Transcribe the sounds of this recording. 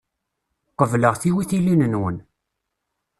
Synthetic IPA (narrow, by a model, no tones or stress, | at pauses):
qːəvləʁθiwiθilinənwən